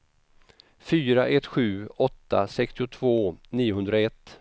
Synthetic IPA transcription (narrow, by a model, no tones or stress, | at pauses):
fyːɾaʔɛt̪ːɧʉ̟ːɔt̪ːa̰sɛkst̪ɪʊt̪ʰvoːniːʊɦɵnd̪ɾaɛt̪ː